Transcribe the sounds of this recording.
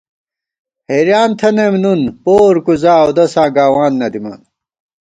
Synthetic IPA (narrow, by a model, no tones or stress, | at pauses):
heɾjaːnt̪ʰɐnemnunpoːɾkuzaːod̪ɐsãːɡaːwaːnːɐd̪imɐ̰n